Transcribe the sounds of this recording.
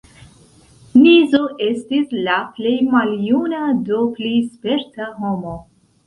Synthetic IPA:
nizoʔe̞stislaple̞jmaljunado̞plejspe̞ɾtaɦo̞mo̞

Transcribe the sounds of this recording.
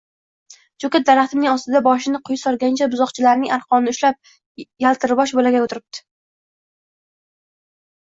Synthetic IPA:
d͡ʒokʲat̪̚d̪aɾaχt̪ʰɪmnɪŋɒst̪ɪd̪abɒʃ̬ɪnɪqʰʊjsɒɾɡʲant͡ʃʰabʊzɒqt͡ʃʰɪlaɾnɪŋaɾqɒmnɪʊʃlap̚ | jalˠt̪ʰɪɾbɒʃbolaɡʲaot̪ʰɪɾɪp̚t̪ʰɪ̥

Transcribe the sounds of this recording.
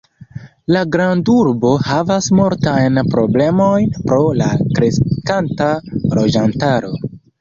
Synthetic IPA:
laɡɾanduɾbo̞havasmoɾtajnpɾo̞ble̞mo̞jnpɾo̞lakɾe̞skantalo̞d͡ʒantaɾo̞

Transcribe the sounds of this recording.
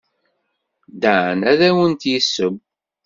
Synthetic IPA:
d̪aʕnæðæwənt̪jəsːəm

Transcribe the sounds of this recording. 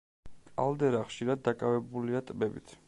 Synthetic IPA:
kʼa̰lˠd̪ɛɾaχʃiɾad̪̚ːakʼavɛbuliat̪ʼbɛbḭt̪ʰ

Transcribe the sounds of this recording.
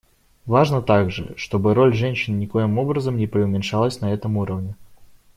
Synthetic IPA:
vaʐnət̪aɡʐɨ̰ʂt̪o̞bɨɾo̞lʲʐɛnʲɕɪnnʲɪko̞jɪmo̞bɾəzəmnʲɪpɾʲɪʊmʲɪnʂalˠəsʲnɐɛt̪əmuɾəvnʲɪ

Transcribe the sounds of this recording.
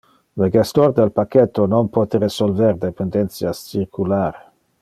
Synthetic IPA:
ləɡest̪ord̪elpakːet̪ːononpɔt̪eɾesolvɛrd̪epend̪ɛnt̪sjast͡ʃirkʰulaːɾe

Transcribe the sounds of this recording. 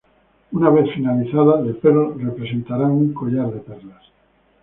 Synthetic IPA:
unaβ̞e̞θfinaliθaðaelpeɾore̞pɾe̞sẽ̞nt̪aɾaŋuŋko̞ʎaɾðe̞peɾlas

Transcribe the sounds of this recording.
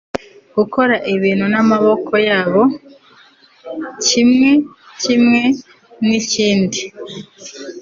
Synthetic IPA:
ɡ̥uko̞ɾaʔiβiːn̥hunamaβo̞kʰo̞jaːβo̞ | cimŋe̞ | cimŋe̞ | niciːndi

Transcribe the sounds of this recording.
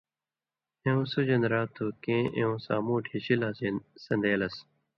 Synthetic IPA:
ẽũːsud͡ʑɐnɾaːt̪ʰːuːkẽːʔḛ̃ũːsa̰ːmũːʈʰiɕilaːzeːnsɐnd̪eːlɐs

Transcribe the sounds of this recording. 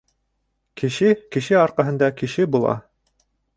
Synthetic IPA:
kɘ̆ʃɘkɘ̆ʃɘɑɾqɑɦɤ̆nd̪ɑkɘ̆ʃɘbulˠɑ̰

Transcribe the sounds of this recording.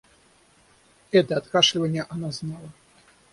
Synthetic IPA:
ɛt̪ɐːt̪kaʂlʲivɐnʲːɐʔanaznalˠɐ

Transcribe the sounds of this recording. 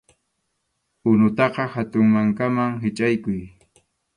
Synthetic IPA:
ʊnʊt̪ɑqɑhat̪ʊŋmaŋkamaŋɦɪt͡ʃʼajkʊj

